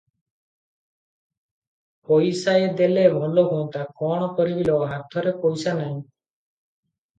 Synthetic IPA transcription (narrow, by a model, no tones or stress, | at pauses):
pojsaed̪elebʱɔloɡʱont̪akɔɽ̃ɔkɔɾibilɔɦat̪ʰɔɾepojsanaɲ̃